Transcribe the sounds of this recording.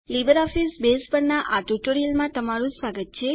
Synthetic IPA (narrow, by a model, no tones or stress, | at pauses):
libəɾɔfisbespəɾnaʔaʈuʈoɾiəlmãt̪əmaɾũsʋaɡət̪̚t͡ʃʰe